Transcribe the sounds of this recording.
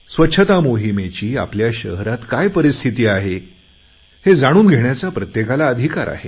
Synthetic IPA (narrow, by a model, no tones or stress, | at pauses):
sʋətːɕʰət̪amoɦimet͡ɕiːa̰pljaɕəɦɾat̪kajpəɾist̪ʰit̪iːaɦe | hed͡zaɽ̃uːnɡʱeɽjat͡sapɾət̪jekalaəd̪ʱikaɾa̰ɦe